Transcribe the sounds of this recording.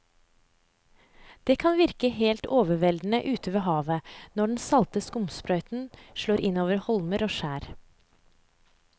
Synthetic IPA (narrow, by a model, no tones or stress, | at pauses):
d̪̥eːkʰɑnʋɪɾkəheːlt̪oːʋəʋɛld̪n̩əʔʉːt̪əʋeːɦɑːʋənɔɖn̩sɑlt̪əskʊmspɾœʏt̪n̩ʃɭoːɾʔɪnoːʋəɾhɔlməɾoːʃæːɾ